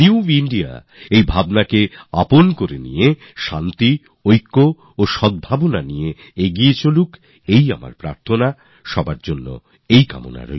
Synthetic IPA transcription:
niuiɳɖia̰ | ejbʱabnakeaponkoɾenḭje | ʃant̪i | ojkːo | oʃɔd̪̚bʱabonanije | eɡiet͡ɕoluk | eja̰ma̰ɾpɾa̰ɾt̪ʰona | ʃɔbaɾd͡ʑonːo̰ | ejka̰mo̰na̰ɾo̰j

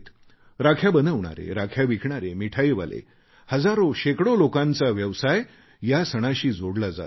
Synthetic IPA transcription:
t̪ | ɾakʰjabənəʋɳa̰ɾḛɾakʰjaʋikʰɳaɾemiʈʰajiʋa̰lʔḛ | həd͡zaɾoɕekɽolokãnt͡saʋjəʋsaj | jasəɽ̃aɕiːd͡zoɽlad͡za̰t̪

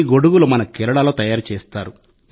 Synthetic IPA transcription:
ɡo̞ɽuɡulumɐnɐkɛlɐɽaːlo̞ːt̪ɐjaːɾut͡ʃeːst̪aːɾu

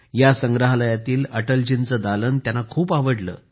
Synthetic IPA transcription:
jasəŋɡɾəɦaləjat̪iːləʈəld͡ʑint͡səːd̪alənt̪janakʰuːpaʋəɽlə̰ː

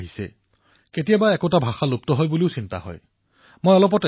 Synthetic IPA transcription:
ɦisɛ̰ | ketijabaɛkotabʱaxalop̚tɔɦɔjbuliʊsinta̰ɦɔ̰j | mojɔlɔp̬ɔt

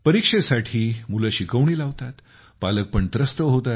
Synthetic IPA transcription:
pəɾikʂesaʈʰiːmulaɕikəʋɳiːlaʋt̪at̪ | palək̚pəɳt̪ɾəst̪əɦot̪at̪

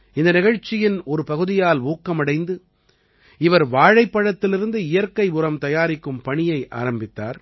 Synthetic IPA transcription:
ɪnd̪ɐnɪɣɐɻt͡ʃːɪjɪnɔɾɯpɐɣɯðɪjaːluːkːɐmɐɽɐɪnd̪ɯ | ɪʋɐɾʋaːɻɐɪpːɐɻɐt̪ːɪlɪɾɯnd̪ɯɪjɐɾkːɐɪʊrɐmt̪ɐjaːɾɪkːɯmpɐɳɪjɐɪʔa̰ːɾɐmbɪt̪ːa̰ːɾ

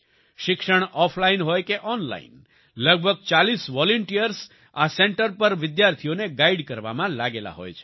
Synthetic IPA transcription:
ʃɪkʃəɳ̃ɔflainɦojkeʔɔnla̰ḭn | ləɡ̚bʱəɡ̚t͡ʃalisʋɔlɔɳʈiəɾs | aseɳʈəɾpəɾʋɪd̪jaɾt̪ʰijoneɡaiɖkəɾʋa̰mãlaɡela̰ɦo̰jt͡ʃʰe̥

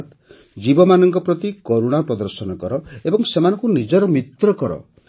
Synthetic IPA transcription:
t̪ | d͡ʒibɔmanɔŋkɔpɾɔt̪ikoɾuɽ̃apɾɔd̪ɔɾsɔnɔkɔɾɔebɔŋsemanɔŋkunid͡ʒɔɾɔmit̪ɾɔkɔɾɔ̰

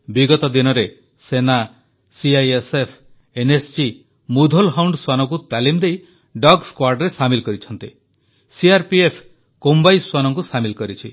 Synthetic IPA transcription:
biɡɔt̪ɔd̪inɔɾe | sena | siajesepʰ | enessi | mud̪ʱolɦawɳɖswanɔk̬ut̪alimd̪ej | ɖɔɡskwaɾɖɾesamilkɔɾit͡ʃʰɔnt̪i | siaɾpiepʰ | kombajswanɔŋk̬usamilkɔɾit͡ʃʰi

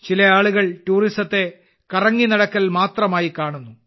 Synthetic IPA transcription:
t͡ɕilɐaːɭuɣɐɭʈuːrisɐt̪ːe̞ | kɐrɐŋːinɐɽɐkːɐlmaːt̪rɐmaːjikaːɳunːu

